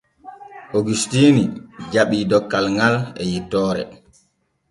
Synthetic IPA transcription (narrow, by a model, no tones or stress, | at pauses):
ʔoɡustiːnid͡ʒaɓiːdɔkːalŋɡalɛjitːɔːɾɛ̰